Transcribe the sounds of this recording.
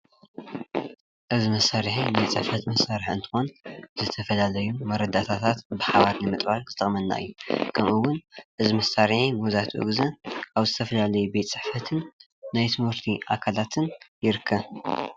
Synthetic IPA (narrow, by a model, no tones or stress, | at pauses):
ʔɨzimɐsːaɾħinajt͡sʼɨħfɐt̪mɐsːaɾiħɨ̰nt̪ʰɨ̥xo̞nz̥ɨt̪ʰɐfɐlalɐjumɐɾɐd̪at̪ʰat̪ʰat̪bɨħaβaɾnɨmɨt̪ʼbaɾzɨt̪ʰʼɨχʼmɐnːa̰ʔɨ̰jːukʰɐmʔɨwʊnʔɨzimɐsːaɾħimuzat̪ʰʔɨ̰ɡzɐʔaβzɨt̪ʰɐfɐlalɐjubet̪ʼt͡sʼɨħfɐt̪ʰɨnː | ajt̪ʰɨmhɨɾt̪ʰiʔakʰalat̪ʰɨnjɪɾɨkʰːɐβ